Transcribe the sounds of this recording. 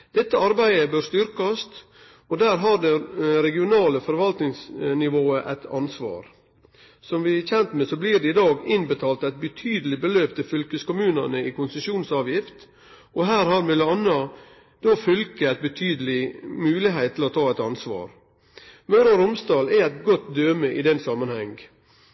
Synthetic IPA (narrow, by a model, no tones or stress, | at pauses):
d̪̥ɛt̪ːəɑɾbæɪəbøːɾst̪ʏɾkɑst̪ | ɔd̪æːɾɦɑɖɛɾɛɡɪʊnɑːləfɔɾʋɑlt̪nɪŋsnɪʋoːəʔæ̰t̪ʰɑnsʋɑ̰ːɾ | sɔmʋɪçɛnt̪mesɔbliːɾɖɛɪd̪ɑːɡɪnbət̪ʰɑːlt̪æɪt̪̚bət̪ʰyːd̪əlɪbəløːp̚t̪ʰɪfʏlkəskʊmʉːnɑ̰nəɪkʊnsəʃuːnsɑːʋjɪft̪ | ɔɦæːɾhɑɾmɪləɑnːɑ | d̪̥ɔfʏlkəæɪt̪̚bət̪ʰyːd̪əlɪmʉːlɪɦeɪt̪ʰːɪlɔt̪ʰɑːɛt̪ɑnsʋɑ̰ːɾ | mœɾɑɾʊmsd̪ɑːlææɪt̪ɡɔt̪d̪øːməʔɪd̪ɛnsɑmːənhɛŋɡ